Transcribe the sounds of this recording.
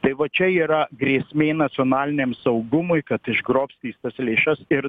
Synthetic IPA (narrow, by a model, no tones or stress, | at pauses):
t̪ɐɪʋɐt͡ʃʲɛiːɾɐɡɾʲeːsʲmʲeːnɐt̪t͡ssʲoːnɑːlʲɪnʲeːmsɐʊɡʊmʊɪkɐt̪ɪʒɡɾoːpʲsʲt̪ʲiːst̪ɐslʲeːʃɐsɪɾ